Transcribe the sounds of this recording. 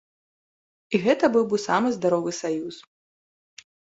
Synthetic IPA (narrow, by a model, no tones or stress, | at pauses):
iɣɛt̪ɐbɨwbɨwsamɨzd̪aɾɔvɨsajus